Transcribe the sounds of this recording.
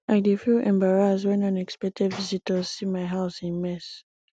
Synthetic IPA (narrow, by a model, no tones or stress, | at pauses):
ʔaɪdifiʔɛ̃mbaɹazwɛ̃nãnɛkspɛk̚tʰɛdvizitʰəzsimaɪɦaʊsĩnmɛs